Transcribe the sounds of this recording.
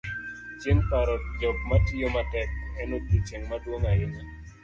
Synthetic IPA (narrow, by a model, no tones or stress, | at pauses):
t͡ʃɪŋkaɾɔd͡ʒɔk̚matijomatɛk̚ɛnokit͡ʃeŋmadwoŋajɪma